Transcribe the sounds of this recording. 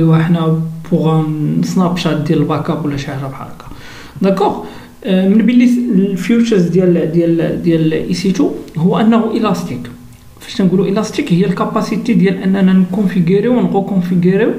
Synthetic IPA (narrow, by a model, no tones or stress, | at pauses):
iwəħnæbuɣænəsnæbʃɑt̪̚d̪jæləlbækɑpwəlːæʃaʕɾɑbħɑ̰ɾˤɑkɑ̥ | d̪ækːɔʁ | mənbəlːilfjut͡ʃəɾzd̪jæld̪jæld̪jælʔisit̪uhʊwːæʔənːæhuʔilɑst̪ik | fæ̥ʃnænɡuluʔəlɑst̪ikhəjːælkɑpɑsit̪ed̪jælʔænːænænkũnfiɡəɾiwnɣəkɔ̃fiɡəɾiw